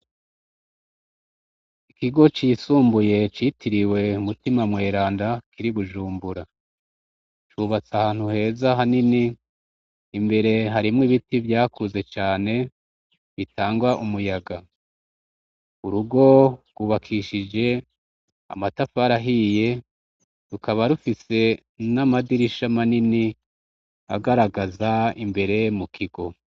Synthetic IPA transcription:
ikiɡo̞t͡ʃisuːmbuje̞t͡ʃitiɾiwe̞umutimamŋe̞ːɾaːndakʰiɾiβuʒuːmbuɾa | t͡ʃuːβat͡sahaːn̥huhe̞ːzaɦaniniː | mbe̞ɾe̞ɦaɾimŋiβitivjaːkuze̞t͡ʃaːne̞ | βitʰaːŋɡwaʔumujaɡa | uɾuɡo̞ɡ̥wuβakʰiʃid͡ʒe̞ | a̰matafaɾaɦije̞ | ɾukʰaβaɾufise̞ | namadiɾiʃamanini | a̰ɡaɾaɡazaimbe̞ɾe̞mukʰiɡo̞

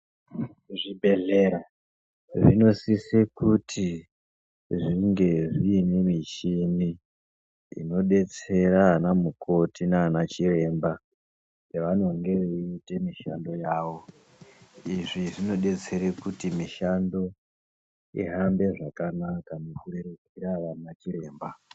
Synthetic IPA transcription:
ʐibʱeɮeɾa | ʐino̞sisekutʰi | ʐiŋɡe̞ʐiːne̞mit͡ʃini | ḭno̞ɗe̞t͡se̞ɾaːnamuko̞tinaːnat͡ʃire̞mba | eʋanoŋɡe̞ʋeite̞miʃando̞jaːʋo̞ | iʐiʐino̞ɗe̞t͡se̞ɾekutimiʃando̞ | ḭɦambe̞ʐakanakanofuririkiɾaʋanat͡ʃire̞ːmba

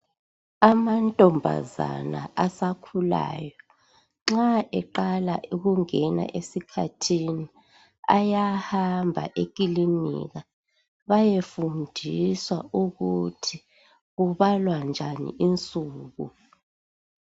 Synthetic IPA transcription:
amantʼɔmbʱa̰za̰na̰ʔasakʰula̰ːjɔ | ŋ͡ǁaʔɛǃalaʔuɣuŋɛna̰ʔesikʰa̰tʰini | a̰jahambʱa̰ʔek̬ʼilinḭɣa | βajefundʱiswa̰uɣutʰi | ɣuβalwand͡ʒʱanḭʔint͡sʼuːɣu

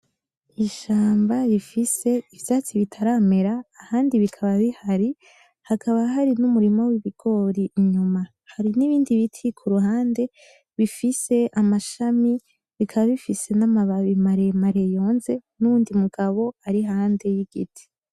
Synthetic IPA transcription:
iʃaːmbaɾifise̞ivjaːt͡siβitʰaɾaːme̞ɾaːhaːndiβikʰaβaβihaɾi | hakʰaβaɦaɾinumuɾimowiβiɡ̥o̞ɾiɲuma | haɾiniβiːndiβitʰikʰuɾuɦaːnde̞ | βifise̞ʔamaʃami | βikʰaβaβifise̞namaβaβimaɾe̞maɾe̞jo̞ːnze̞nuβuːndimuɡ̥aβo̞aɾihaːnde̞jiɡ̥ḭtʰi̥

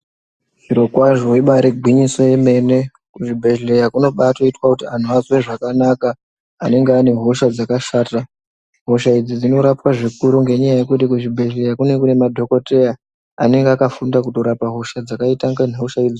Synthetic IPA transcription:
ʐiɾo̞kwaʐoiɓaɾeɡʱwiɲiso̞je̞me̞ne̞ | kuʐibʱe̞ʒle̞jakuno̞ɓatoitwakutian̤uazweʐakanakaː | ne̞ŋɡeːne̞ɦoʃad͡zakaʃaːta | ɦo̞ʃaid͡zid͡zino̞ɾapwaʐikuɾuŋɡe̞ɲajaje̞kut̬ikuʐibʱe̞ʒlejakune̞kune̞madʱo̞ko̞te̞ja | a̰ne̞ŋɡeakafundakuto̞ɾapaɦo̞ʃad͡zakaitaŋɡaneɦoʃaid͡zi

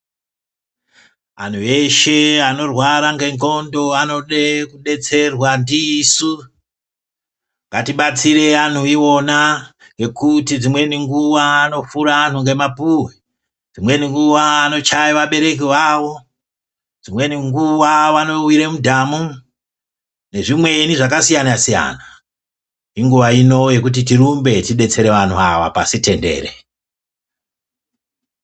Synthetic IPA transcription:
a̰n̤ue̞ʃe̞ano̞rwaɾaŋɡe̞ŋɡo̞ndo̞ano̞ɗekuɗe̞t͡se̞rwandisu | ŋɡatiɓat͡sire̞an̤uio̞na | ŋɡe̞kutid͡zimwe̞niŋɡuʋaːno̞fuɾaːn̤uŋɡe̞mapuwi | d͡zimwe̞niŋɡuʋaːno̞t͡ʃajiʋaɓe̞ɾe̞k̬iʋawo̞ | d͡zimwe̞niŋɡuʋaʋano̞wiɾemudʱamu | ne̞ʐimwe̞niʐak̬asijanasija̰na | iŋɡuʋaino̞je̞k̬ut̬it̬iɾumbe̞tiɗe̞t͡se̞ɾe̞ʋan̤uaʋa̰pa̰site̞nde̞̰ːɾḛ

